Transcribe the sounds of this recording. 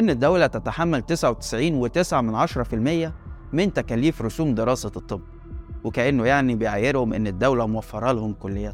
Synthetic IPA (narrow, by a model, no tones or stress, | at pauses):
ʔenːed̪ːæwlæt̪æt̪aħamːælt̪esʕawet̪ɪ̥sʕiːnwet̪esʕamenʕɑʃɑɾˤɑfilmejːæment̪ækæːliːfɾosuːmd̪eɾˤɑːsɑt̪ˤːebː | wekæʔenːojaʕnibejʕajːeɾhomʔḛnːed̪ːæwlæmowæfːɑɾˤɑlhomkolːejːæ